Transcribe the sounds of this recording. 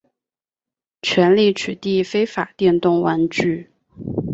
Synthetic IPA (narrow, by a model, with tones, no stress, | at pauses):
t͡ɕʰɥɛ˧˥nli˥˩t͡ɕʰy˨˩t̪i˥˩fe˥ɪfa˨˩t̪jɛ˥˧nt̪ʊ˥˩ŋwa˧˥nʈ͡ʂy˥˩